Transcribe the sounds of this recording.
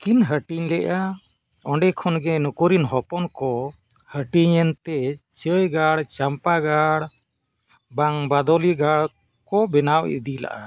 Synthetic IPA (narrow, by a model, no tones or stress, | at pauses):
kinɦəʈiɲlɛʔa | ɔɳɖɛkʰɔnɡɛnukuɾinɦɔpɔnkɔ | həʈiɲɛnt̪ɛt͡ʃəjɡaɽt͡ʃampaɡaɽ | baŋbad̪ɔliɡaɽ | kɔbɛnawḭd̪ila̰ʔa